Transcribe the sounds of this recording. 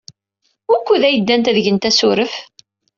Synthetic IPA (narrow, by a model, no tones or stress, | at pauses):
ʊɾkʷːuðæjəd̪ːænt̪æðəʝənt̪æsʊɾəf